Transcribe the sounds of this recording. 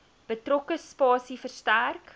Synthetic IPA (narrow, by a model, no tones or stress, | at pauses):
b̥ətrɔkəspɑːsifərstærk